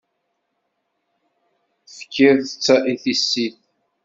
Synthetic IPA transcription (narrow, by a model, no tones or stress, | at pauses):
fkʲʰːeɾθət͡sːaʔiθisːiθ